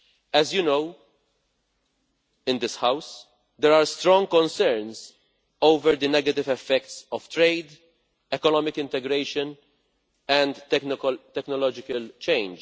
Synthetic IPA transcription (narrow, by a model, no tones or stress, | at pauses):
ɛzjunow | ɪ̃nd̪ɪshaws | d̪ɛɾaːɾst̪ɾɔ̃ŋɡ̚kɔ̃nsɛɾns | owvɛɾd̪inɛɡɐt̪ɪvɛfːɛk̚t̪sɔv̥t̪ɾeɪd̪ | ɛkɔnɔːmɪkɪ̃nt̪ɛɡɾeɪʃən | ɛ̃nd̪t̪ɛknɔlɔd͡ʒɪkɐlt͡ʃẽɪ̃nd͡ʒ